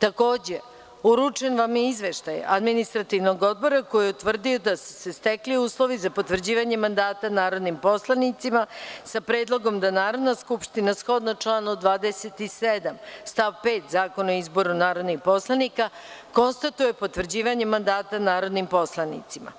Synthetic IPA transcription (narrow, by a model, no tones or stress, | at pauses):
t̪ako̞ːd͡ʑe | uɾut͡ʂe̞nʋamizʋeʃt̪ajḛʔa̰d̪minist̪ɾat̪iʋno̞ɡo̞d̪̚bo̞ɾako̞jiut̪ʋr̩d̪iod̪asu̥sest̪ekliuːslˠo̞ʋizapo̞t̪ʋr̩d͡ʑiːʋaɲemand̪aːt̪anaːɾo̞d̪nimpo̞slˠanit̪simasapɾeːd̪lˠo̞ɡo̞md̪anaːɾo̞d̪naskupʃt̪inasxo̞d̪nat͡ʃlanod̪ʋaːd̪eset̪ised̪amst̪aʋpe̞ːt̪zaːko̞noizbo̞ɾunaːɾo̞d̪nixpo̞slˠanikako̞nst̪at̪uje̞po̞t̪ʋr̩d͡ʑiːʋaɲe̞mand̪aːt̪anaːɾo̞d̪nimpo̞slˠanḭt̪sima̰